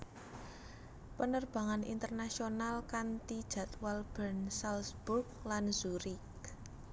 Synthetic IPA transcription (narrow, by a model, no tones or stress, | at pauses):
pənərb̥ä̤ŋanḭnt̪ərnasionalkant̪id̥ʒ̥ä̤t̪walb̥ərnsalsb̥urk̚lanz̥uɾik